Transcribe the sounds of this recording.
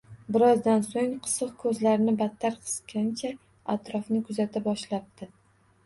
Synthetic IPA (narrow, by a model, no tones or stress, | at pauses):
bɪɾɒzd̪ansoŋqʰɨ̥sɨqkʰɵzlaɾɪnɪbat̪ʰːaɾqʰɨ̥skʲʰant͡ʃʰa | at̪ɾɒfnɪkʰʊzat̪ʰabɒʃlap̚t̪ʰɪ